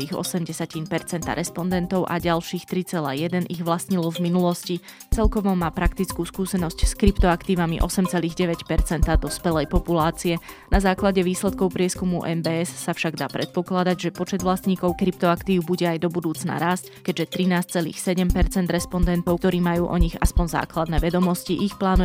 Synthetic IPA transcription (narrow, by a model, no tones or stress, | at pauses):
iːɣɔ̰sɛmɟɛsacinpɛɾt͡sɛnt̪a̰ɾʔɛspɔnd̪ɛnt̪ɔʊʔa̰ɟalʃiːxt̪ɾit͡sɛla̰ːjɛd̪ɛnʔiɣʋlasɲilɔvminulɔsci | t͡sɛlkɔʋɔmaːpɾakt̪it͡skuːskuːsɛnɔscskɾipt̪ɔakt̪iːʋamḭʔɔsɛmt͡sɛliːɣɟɛʋɛcpɛɾt͡sɛnt̪ad̪ɔspɛlɛjpɔpulaːt͡siɛnazaːklaɟɛʋiːslɛt̪kɔʊpɾɪɛskumuʔɛmbɛːɛsːafʃaɡd̪aːpɾɛt̪̚pɔklad̪aɟʒɛpɔt͡ʃɛd̪ʋlasɲiːkɔʊkɾip̚t̪ɔakt̪iːʊbuɟɛajd̪ɔbud̪uːt͡sna̰ɾaːsckɛɟʒɛt̪ɾinaːs̚t͡sɛlḭːxsɛɟɛmpɛɾt͡sɛnd̪ɾɛspɔnd̪ɛnt̪ɔʊkt̪ɔɾiːmajuːʔɔɲiɣaspɔɲza̰ːklad̪nɛʋɛd̪ɔmɔsciʔixplaːnu